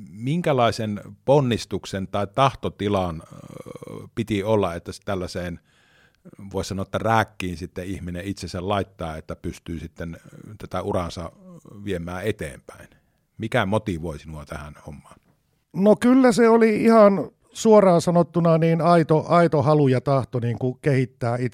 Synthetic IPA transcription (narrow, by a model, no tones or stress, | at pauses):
miŋkælɑˑisenponːist̪uksent̪ɑˑit̪ɑht̪ot̪ilɑn | pit̪iolːɑet̪ːæst̪ælːæseːn | ʋoˑissɑnoet̪ːæræːkːiːnsit̪ːeihmineit̪sesællɑˑit̪ːɑːet̪ːæpyst̪yːsit̪ːent̪æt̪æurɑnsɑʋiemˑæːet̪ḛːmpæ̰ˑin | mikæmot̪iʋoˑisinuɑt̪æhænhomːɑːn | nokylːæseoliihɑn | suorɑːnsɑnot̪ːunɑniːnɑit̪oʔɑit̪ohɑlujɑt̪ɑht̪oniːŋkukehit̪ːæːi